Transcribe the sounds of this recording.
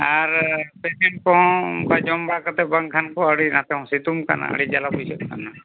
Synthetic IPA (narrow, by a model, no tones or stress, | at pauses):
aɾpɛsɛɳʈ̚kɔ̃kad͡ʒɔmbakat̪ɛbaŋkʰankɔəɽinat̪ɛɔ̃sit̪umka̰na̰ə̰ɽid͡ʒalapujsɔt̪̚kana